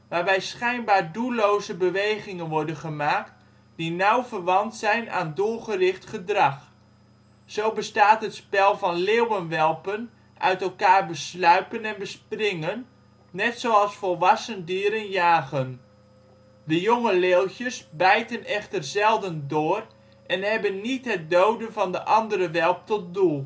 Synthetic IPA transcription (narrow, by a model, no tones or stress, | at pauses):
ʋaːrbɛjsχɛjnbaːrduloːzəbəʋejɣɪŋənʋɔɹdənχəmaːk̚t | dinawvərʋɑntsɛjna̰ːndʊːrχərɪχtχədrɑχ | sowbəstaːtɦətspɛlˠvɑnleːwənʋɛlˠpən | ʔœ̰ɥtɛlˠkaːrbəslœɥpənɛnbəsprɪŋənː | ɛtsowɑlˠsfɔlˠʋɑsəndiːɾənjaːɣən | dəjoŋəleːlˠçjəsbɛjtənɛχtərzɛlˠdəndʊːr | ʔɛnɦɛbənːitɦɛt̚dowdənvɑndəʔɑndəɾəʋɛlˠp̚tɔt̚dulˠ